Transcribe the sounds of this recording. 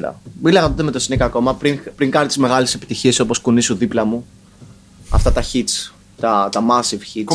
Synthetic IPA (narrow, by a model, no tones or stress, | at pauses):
ɾɐ̰milɐɣɐt̪ot̪eme̞t̪o̞sinikɐːko̞mɐpɾiŋpɾiŋɡɐnit̪izme̞ɣɐlese̞pit̪içie̞so̞po̞skunisuðiplɐmu | ɐ̰ft̪ɐt̪ɐçit͡s | t̪ɐt̪ɐmɐsivçi